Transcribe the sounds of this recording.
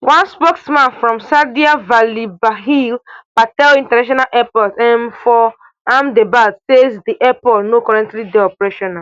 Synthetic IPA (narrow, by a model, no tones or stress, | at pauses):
wãnspɔksmãnfɹɔ̃msadiavalibaɦilbatɛlĩntanaʃ̬ɔnalʔɛpɔlzɛ̃mfɔ | ãmdebasezdiʔɛpɔlnokɔɹɛ̃ntlideɔpɹeʃɔna